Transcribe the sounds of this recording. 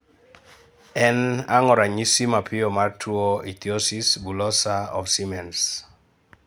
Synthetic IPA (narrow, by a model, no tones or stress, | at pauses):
ɛnaŋɔɾaɲisimapʰɪomartʰuoit̪iosisbulɔsaɔ̰fsimɛns